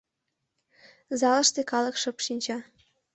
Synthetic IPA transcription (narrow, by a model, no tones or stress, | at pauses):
zɑlə̆ʃt̪ekɑlɤ̆kʃɤ̆pʃinʲt͡ɕɑ